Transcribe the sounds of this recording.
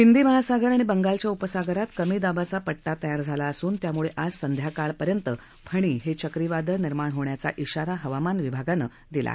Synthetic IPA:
ɦind̪iːməɦasaɡəɾaɽ̃ibəŋɡalt͡ɕjaupəsaɡəɾat̪kəmiːd̪abat͡sapəɽʈat̪əjaɾd͡zʱalaəsuːnt̪jamuɭeʔad͡zsənd̪ʱjakaɭpəɾjənt̪ə | pʰəɽ̃iːɦet͡ɕəkɾiʋad̪ʱəniɾmaɳɦoɳjat͡sa̰ʔiɕaɾaɦəʋamanʋibʱaɡanə̰ː | d̪ila̰

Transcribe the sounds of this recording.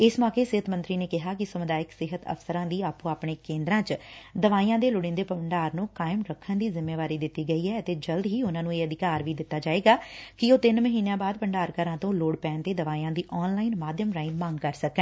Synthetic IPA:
ɪsmɔːkeːsɪɦət̪mənt̪ɾiːneːkɪɦaːkɪsəmʊd̪aːɪksɪɦət̪ə̰fsəɾãːd̪iːaːpũːaːpɳeːkẽːnd̪ɾãːt͡ʃd̪əʋaːijãːd̪eːlʊɽɪ̃nd̪eːpəməɳɖaːɾnũːkaːɪmɾəkʰːənd̪iːzɪmːeːʋaːɾiːd̪ɪt̪ːiːɡəiːɦɛːət̪eːd͡ʒəld̪ɦiːʊnãːnũːeːəd̪ɪkaːɾʋiːd̪ɪt̪ːaːd͡ʒaːeːɡaːkɪoːt̪ɪnməɦiːnjãːbaːd̪̚pəɳɖaːɾkəɾãːt̪õːloːɽpɛ̃ːnt̪eːd̪əʋaːijãːd̪iːʔɔːnlaːinmaːd̪ʱjəmɾaːimãːŋɡkəɾsəkɛ̃ː

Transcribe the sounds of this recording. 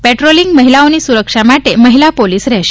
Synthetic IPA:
pɛʈɾoliŋɡməɦilawniːsuɾəkʂamaʈeməɦilapoliːsɾɛɕ

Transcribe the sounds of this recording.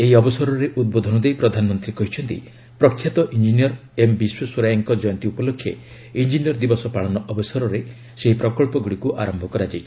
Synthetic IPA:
eɦiɔbɔsɔɾɔɾeʔud̪̚bod̪ʱɔnɔd̪ejpɾɔd̪ʱanɔmɔnt̪ɾikɔɦit͡ʃʰɔnt̪ḭ | pɾɔkʰːjat̪ɔʔind͡ʒinijɔɾembiswɔswɔɾajaŋkɔd͡ʒɔjɔnt̪iupɔlokʰːjḛ | ind͡ʒiniɔɾd̪ibɔsɔpaɭɔnɔʔɔbɔsɔɾɔɾe | seɦipɾɔkɔɭpɔɡuɽikuʔaɾɔmbʱɔkɔɾad͡ʒajt͡ʃʰi̥

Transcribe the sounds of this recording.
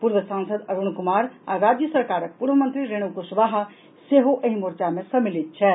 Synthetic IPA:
puːɾwəsãːnsəd̪ɐɾuɳkʊmaːɾaːɾaːd̪jəsɐɾkaːɾək̚puːɾʋəmə̃nt̪ɾiɾeːɽ̃ukusʊbaːɦ | seːɦoʔɐɦĩmʊɾt͡ʃamẽsɐmɪlɪt̪̚t͡ʃʰɛː

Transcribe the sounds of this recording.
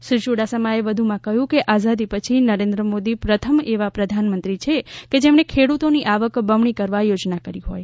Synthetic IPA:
ʃɪɾʃuɽasəmaeʋəd̪ʱumãkəɦjũkeʔazad̪ipət͡ʃʰinəɾẽnd̪ɾəmod̪ipɾət̪ʰəmeʋapɾəd̪ʱanmənt̪ɾit͡ʃʰeked͡ʒemɳekʰeɽut̪oniʔaʋəkbəʋɳikəɾʋajod͡ʒnakəɾiɦoj

